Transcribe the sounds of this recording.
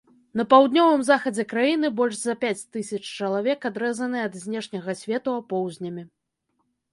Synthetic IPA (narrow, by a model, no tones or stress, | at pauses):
n̪ɐpawd̪nʲɔvɨmzaxɐd͡zʲɛkɾajin̪ɨbɔlʲʐzɐpʲat͡sʲt̪ɨsʲɐt͡ʂt͡ʂɐlˠavʲɛkad̪ɾɛzɐnɨɛɐd̪zʲnʲɛʂnʲɐɣɐsʲvʲɛt̪uapɔwzʲnʲɐmʲi